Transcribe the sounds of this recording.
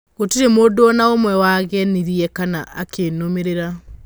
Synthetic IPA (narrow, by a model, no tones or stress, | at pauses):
otiɾemoːdoɔnaomwɛwaɣɛniɾiɛkanaʔa̰kʰenomeɾeɾa